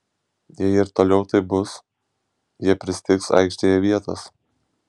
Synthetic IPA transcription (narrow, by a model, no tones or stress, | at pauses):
jɛɪɪɾt̪oːlʲɛʊt̪ɐɪbʊs | jiɛpʲɾʲɪsʲɪ̥t̪ʲɪksɐ̰ˑɪkʃʲt̪ʲejɛʋʲiɛt̪ɐ̰s